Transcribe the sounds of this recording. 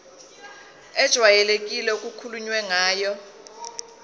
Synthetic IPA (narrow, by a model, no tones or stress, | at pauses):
ɛd̥ʒ̥ʱwajɛlek̬ʼilɛuk̬ʼukʰuluɲwɛŋaːjɔ